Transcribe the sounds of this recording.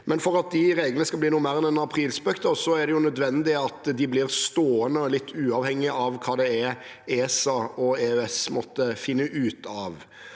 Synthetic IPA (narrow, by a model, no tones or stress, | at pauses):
mɛnfɔɾɑt̪̚d̪ɪɾeːɡlənəskɑlbliːnuːmeːɾɛnɛnɑpʰɾiːlsbœkt̪ɔsɔæɾɖ̪ɛjʊnœd̪ʋɛnd̪ɪɑt̪d̪ɪblɪɾst̪oːənəlɪt̪ːʉːɑʋhɛŋːɪʔɑʋkʰɑːd̪ɛɛɾ | eːsɑɔeːøɛsmɔt̪ːəfɪnːəʔʉːt̪ʰɑːʋ